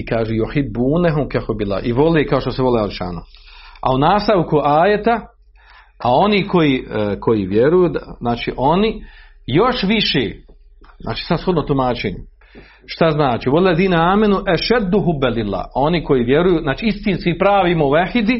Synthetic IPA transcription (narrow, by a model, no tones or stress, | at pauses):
ikaːʒujuħibːuːnɛɦumkɛhubilːa̰ːʔiʋo̞leːkaoʃt̪oseʋo̞leaɾiʃa̰ːnoa̰unaːst̪aʋkuʔaːjet̪a | ao̞niːko̞jiːkʰo̞jiːʋjeɾujuːd̪znaːt͡ʃḭːʔo̞ni | jo̞ʃʋiʃḛː | zna̰ːt͡ʃi̥ːsad̪sxo̞d̪not̪umaːt͡ʃeːɲu | ʃt̪aznaːt͡ʃiːʋolːlːeðiːnɛaːmanuʔaʃad̪ːuɦubːɛlilːa̰ːo̞niko̞jiːʋjeɾujuːznaːt͡ʃiist̪iːnskipɾaːʋiːmoʋaħid̪i